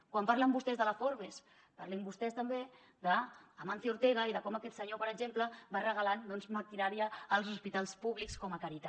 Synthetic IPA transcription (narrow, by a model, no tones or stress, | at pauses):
kwampaɾləmbust̪ɛzðələfoɾβes | paɾlimbust̪ɛst̪əmbe | d̪əːmanθiuɾt̪eɣəiðəkɔmakɛt̪səɲopəɾəɡʒempləbarəɣəland̪ɔnzmak̪iɾaɾiəːlˠzuspit̪alˠspuβlikskɔməkaɾit̪a